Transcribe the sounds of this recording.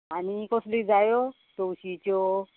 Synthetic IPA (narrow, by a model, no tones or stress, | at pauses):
anikɔslid͡zajo | t̪oɕit͡ɕo